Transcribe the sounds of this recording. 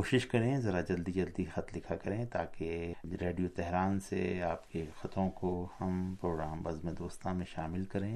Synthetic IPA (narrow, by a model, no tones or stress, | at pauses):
oːʃɪʃkɐɾẽːzɐɾad͡ʒɐld̪id͡ʒɐld̪ixɐt̪lɪkʰakɐɾẽːt̪aːkeɾeːɖijot̪ɛɦɾaːnsḛaːpkexɐt̪õkohɐmpɾoːɡɾaːmbɐzmẽd̪oːst̪ãmẽʃaːmɪlkɐɾẽː